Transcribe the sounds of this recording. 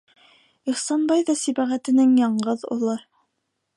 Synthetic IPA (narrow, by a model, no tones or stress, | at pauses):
iχsɑnbɑjðɑsibæʁæt̪ɘ̆nɘŋjɑɴɢɤðṵlˠɤ